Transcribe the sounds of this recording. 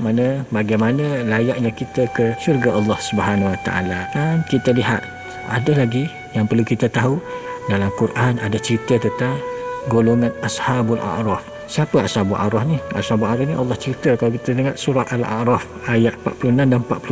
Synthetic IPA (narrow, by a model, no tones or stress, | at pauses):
manəbaɡajmanə̃lajaʔɲãkit̪əkəʃurɡaʔɑlːɑhsubəɦanwat̪a̰ʔa̰laankit̪əliɦat̪̚ | adalaɡi | jaŋpərlukit̪ət̪aɦudalamkurʔanadat͡ʃəɾit̪ət̪ət̪aɡoloŋanashabalʔa̰ʔɾɔf | siapəashabuʔa̰ɾɔfniʔa̰shabuaɾɔfniʔɑ̰lːɑht͡ʃəɾit̪əkalawkit̪əniŋat̪̚suɾat̪ala̰ʔɾɔf | ajaʔpa̰t̪pulunamdanpat̪̚plu